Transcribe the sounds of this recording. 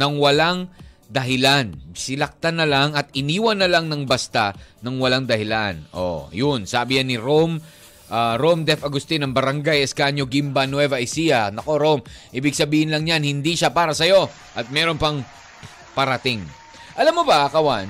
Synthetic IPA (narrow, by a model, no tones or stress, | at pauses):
nɐŋwɐlaŋ | d̪ɐɦɪlansɪlɐk̚t̪anːɐlaŋɐt̪ɪniːwɐnːɐlaŋnɐŋbɐst̪anɐŋwɐlaŋd̪ɐhɪlanʔo̰jʊnsaːbɪjanɪɾom | ʔaɾomd̪ɛfɐɡʊst̪ɪnɐŋbɐɾɐŋɡajɛskaɲoɡɪmbɐnwɛvɐʔjsijɐnɐko̞ɾomʔiːbɪɡ̚sɐbiːhɪnlɐŋɲanhɪnd̪iʃapaːɾɐsɐjo̞ | ʔɐt̪̚mɛɾo̞npɐŋ | pɐɾɐt̪ɪŋ | ʔɐlamːobɐkɐwan